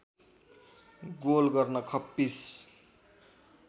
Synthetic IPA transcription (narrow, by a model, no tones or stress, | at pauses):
ɡolɡʌrnʌkʰʌpːis